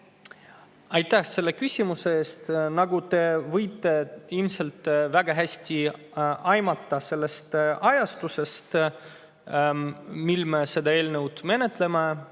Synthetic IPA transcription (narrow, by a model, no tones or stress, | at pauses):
ɑjt̪ːˑæhse̞lːe̞kysʲimuse̞eːst̪nɑɡut̪e̞vɤjt̪ːe̞ilmse̞lt̪ːˑvæɡ̥ɑɦæsʲt̪ʲi | ɑjmɑt̪ːˑɑse̞lːe̞st̪ɑjɑst̪use̞st̪ | milme̞se̞d̪ɑe̞ːlnewd̪̥me̞ne̞t̪ˑle̞me